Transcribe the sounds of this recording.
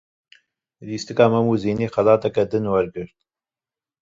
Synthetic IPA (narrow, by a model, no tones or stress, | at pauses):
ɾiːst̪ɨkɑːmɐmuːziːniːxɐlɑːt̪ɐkɛd̪ɨnwɐɾɡɨɾt̪̚